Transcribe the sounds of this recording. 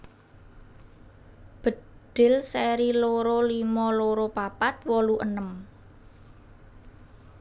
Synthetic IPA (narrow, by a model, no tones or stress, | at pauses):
b̥ə̤ɖ̪̥ɪ̤lsɛɾiloɾolimɔloɾopapat̪̚wɔluʔənəm